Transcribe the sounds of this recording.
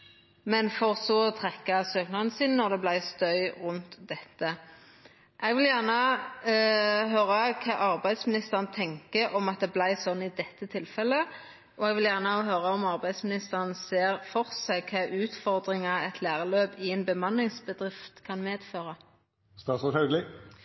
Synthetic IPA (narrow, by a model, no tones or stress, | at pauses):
mɛnfɔʁsɔt̪ʰʁɛkːɑsøːknɑn̩siːnnɔʁd̪ɛblæɪst̪œʏʁʉnt̪d̪ɛt̪ːə | ʔɛɡʋɪljæʁnə | ɦøːʁɑkʰɑːʔɑʁbæɪd̪smɪnɪst̪əʁnt̪ʰɛŋkəʔɔmɑt̪̚d̪ɛːblæɪsɔnːɪd̪ɛt̪ːət̪ʰɪlfɛlːə | ʔɔɛɡʋɪljæʁnəɦøːʁɑɔmɑʁbæɪd̪smɪnɪst̪əʁənseːʁfɔʁsækʰɑːʔʉːt̪fɔʁd̪ʁɪŋɑɛt̪ʰlæːʁəløːpɪɛnbəmɑnlɪŋsbəd̪ʁɪft̪kʰɑnmeːd̪føːʁɑ | st̪ɑsɔhɛlɡlɪ